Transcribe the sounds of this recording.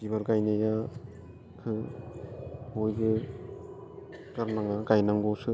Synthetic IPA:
d̥iβaɾɡajneja | kʰɯ | bojɡɯ | kaɾnaŋaɡajnaŋɡɔsɯ

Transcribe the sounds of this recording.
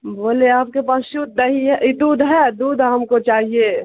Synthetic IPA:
boːleaːp̚kepaːsʃʊd̪nɐɦiɦɛʔid̪uːd̪ʱɦɛd̪uːd̪ʱɦɐmkot͡ʃaːɦie

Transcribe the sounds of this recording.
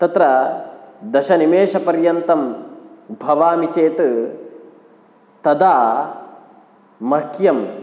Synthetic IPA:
t̪ɐt̪ɾɐ | d̪ɐʃɐnimeːʃɐpɐɾjɐnt̪ɐm | bʱɐʋaːmit͡ʃeːt̪ | t̪ɐd̪aː | mɐkjɐm

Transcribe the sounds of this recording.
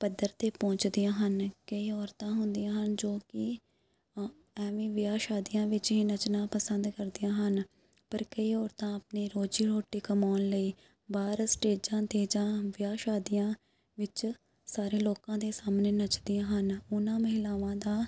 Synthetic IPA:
pəd̪ːəɾt̪eːpɔ̃ːt͡ʃd̪ɪjãːɦənkəiːɔːɾt̪ãːɦʊnd̪ijãːɦənd͡ʒoːkɪ | ɛːʋĩːʋɪjaːʃaːd̪ijãːʋɪt͡ʃɦiːnət͡ʃnãːpəsənd̪kəɾd̪ɪjãːɦən | pəɾkəiːɔːɾt̪ãːəpneːɾoːd͡ʒiːɾoːʈːiːkəmaːnləiː | baːɾsʈeːd͡ʒãːt̪eːd͡ʒãːʋɪjaːʃaːd̪ɪjãː | ʋɪt͡ʃ | saːɾeːloːkãːd̪eːsaːmneːnət͡ʃd̪ɪjãːɦənʊnãːməɦɪlaːʋãːd̪aː

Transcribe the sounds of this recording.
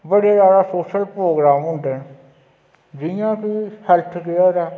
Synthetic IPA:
bəɽeːɾaːɽaːsoːʃəlpɾoːɡɾaːmɦʊ̃ɳd̪ɛːn | d͡ʒɪjãːkiːhɛlt̪ʰkɪaɾɛː

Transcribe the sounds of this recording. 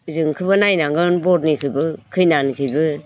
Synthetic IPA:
ɯzɯŋkʰɯbɯnajnaŋɡɯnbɔt̚nikʰɯjbɯkʰɯjnankʰɯjbɯ

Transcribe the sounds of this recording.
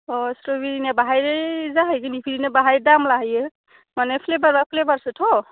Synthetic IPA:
osɾobiɾinabaɦajɾezaɦəjkinipʰiɾinabaɦajdamlaɦəje | manepʰlebaɾbapʰlebaɾsɯtʰo

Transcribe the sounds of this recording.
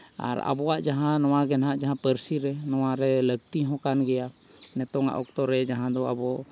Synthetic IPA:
a̰ɾa̰bɔwa̰ʔd͡ʒaɦãnɔwaɡɛnɦaʔd͡ʒaɦãpəɾsiɾɛnɔwaɾɛləɡ̚t̪iɦɔ̃kanɡɛjanɛt̪ɔŋa̰ʔɔk̚t̪ɔɾɛd͡ʒaɦãd̪ɔabɔ

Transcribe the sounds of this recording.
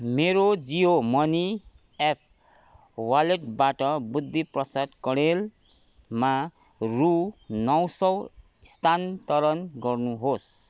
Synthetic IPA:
meɾod͡ziomʌni | ep̚ʰ | waleʈbaʈʌbud̪ːiprʌsad̪kʌɽel | ma | runʌwsʌw | st̪ʰant̪ʌɾʌnɡʌrnuɦos

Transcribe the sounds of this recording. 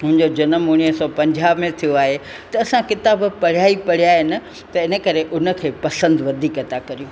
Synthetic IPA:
ɦʊ̃ɦɪ̃ɲd͡ʑod͡ʑɐnəmʊɽ̃iɦəsɔːpɐ̃ɲd͡ʑaːbmẽt̪ʰijoaːɦe | t̪ɐɐsãkɪt̪aːbpɐɽ̤jaːipɐɽ̤ijaːɦɪnɪ̆ | t̪ɐɪnə̆kɐɾeʔʊnə̆kʰeːpɐsə̃nd̪ʋɐd̪ʱiːkɐt̪akɐɾijũ

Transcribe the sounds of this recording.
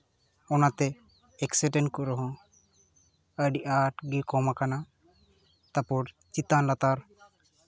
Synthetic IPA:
ɔnat̪ɛ | ɛksɛʈɛnkuɾɔɦɔ̃ | əɖiʔaʈɡikɔmakana | t̪apuɾ | t͡ʃit̪anlat̪aɾ

